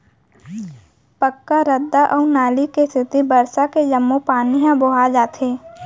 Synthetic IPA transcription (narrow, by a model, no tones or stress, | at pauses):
pəkːaɾəd̪ːaʔɔːnaːlikest̪ɪt̪ibəɾsaked͡ʒəmːopaːniɦãbʊɦad͡ʒaːt̪ʰeː